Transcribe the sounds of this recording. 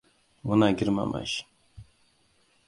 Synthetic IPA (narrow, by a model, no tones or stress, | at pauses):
wunaɡʲiɾma̰ma̰ɕ